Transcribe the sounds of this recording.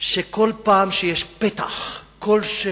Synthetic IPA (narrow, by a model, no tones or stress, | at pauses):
ʃekolpaːmʃejeʃpet̪a̰χkolʃe